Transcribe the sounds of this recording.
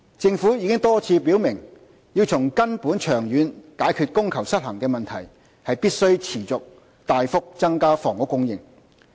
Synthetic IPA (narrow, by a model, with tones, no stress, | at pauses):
t͡sɪ˧ŋfuː˨˥jiː˧˥kɪ˥ŋt̪ɔː˥t͡sʰiː˧p̬i˨˥wmɪ˨˩ŋ | jiː˧wt͡sʰʊ˨˩ŋkɐ˥npuː˨˥nt͡ʃʰœː˨˩ŋjyː˨˧nkaː˨˥jkʰyː˧t̚kʊ˥ŋkʰɐ˨˩wsɐ˥t̚hɐ˨˩ŋkɛː˧mɐ˨˩nt̪ʰɐ̰˨˩j | hɐ˨jpiː˥t̚sɵ˥ɥt͡sʰiː˨˩t͡sʊ˨k̚ | t̪aː˨jfʊ˥k̚t͡sɐ˥ŋkaː˥fɔː˨˩ŋʊ˨˥kːʊ˥ŋjɪ˨ŋ